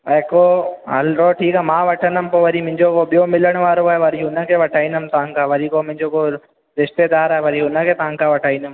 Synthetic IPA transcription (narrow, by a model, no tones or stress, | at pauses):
ɐekoɦɐ̰lɾoːʈʰiːkaːmãːʋɐʈʰənəmpoʋɐɾimʊ̃ɦɪ̃ɲd͡ʑokoɓijomɪləɽ̃ʋaːɾoaːeʋɐɾiʊnə̆kʰeʋɐʈʰaːĩnəm̆t̪ɐʋ̤ãŋkʰaːʋɐɾikomɪ̃ɦɪ̃ɲd͡ʑoko | ɾɪʃt̪ed̪aːɾaːɦeʋɐɾiɦʊnə̆kʰeːt̪ɐʋ̤ãŋkʰaʋɐʈʰaːĩːnd̪əm